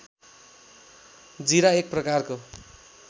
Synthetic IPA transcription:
d͡ziɾaek̚prʌkarko

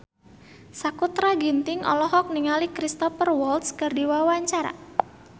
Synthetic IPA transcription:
sakut̪ɾaɡint̪ɪŋɔ̰lɔɦɔk̚niŋalikɾist̪ɔfərwɔlt̪skɨrdiwawaɲt͡ʃaɾa̰

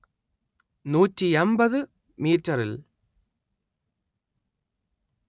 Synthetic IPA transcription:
nuːtːiembɐðɨ | miːtːɐɾil

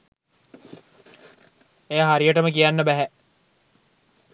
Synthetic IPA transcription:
ejaɦaɾijəʈəməkijanːəbæɦæ

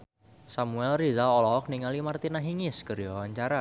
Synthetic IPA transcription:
samuɛlrizaɔlɔɦɔk̚niŋalimart̪inaɦiŋɪskəɾjɔwaɲt͡ʃaɾa

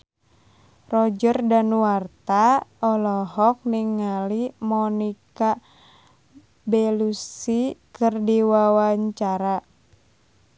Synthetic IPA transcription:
rɔd͡ʒərdanwart̪aɔlɔɦɔk̚niŋːalimɔnika | belusikɨrdiwawaɲt͡ʃaɾa

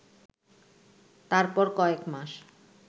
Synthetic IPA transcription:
t̪aɾpɔɾkɔekmaʃ

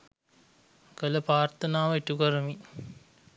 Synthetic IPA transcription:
kələpaːrt̪ənaːʋəiʈukəɾəmi

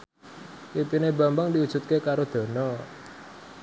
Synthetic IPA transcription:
wipineba̤mbaŋdiud̥ʒ̥ṳt̪̚kekaɾod̪̥ɔ̤nɔ

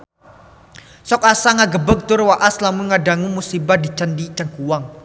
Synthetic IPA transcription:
sɔkasaŋaɡəbək̚t̪ʊrwaʔaslamuŋadaŋumusibadit͡ʃandit͡ʃaŋkuwaŋ

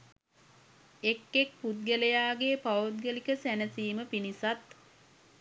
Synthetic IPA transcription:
ekːek̚put̪̚ɡələjaːɡeːpaut̪̚ɡəlikəsænəsiːməpinisat̪

